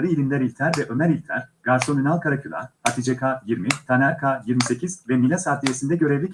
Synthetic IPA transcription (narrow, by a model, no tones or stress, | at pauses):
ɾɯilʲimd̪ʲɛɾilʲt̪ʰæɾvɛʔø̞mæɾilʲt̪ʰæɾ̥ɡ̥aɾso̞ninalˠkʰaɾacʰylˠa̰ɾhat̪ʰid͡ʒekʰaːjiɾmit̪ʰanæɾkʰaːjiɾmise̞cʰizvɛmilʲasaːt̪ijesind̪ɛɟø̞ɾevlʲic